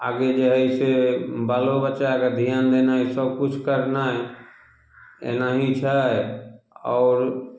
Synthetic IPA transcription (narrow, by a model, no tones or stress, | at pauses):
a̰ːɡed͡ʒəɦəisebaːlobətːʃakad̪ʱijaːnd̪enaɦisəb̚kʊt͡ʃʰkəɾnaɦɛ | ḛnaɦĩt͡ʃʰaɛɔːɾ